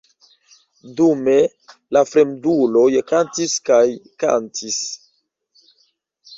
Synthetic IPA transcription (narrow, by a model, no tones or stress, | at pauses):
dume̞ | lafɾemdulo̞jkantiskajka̰ntʰis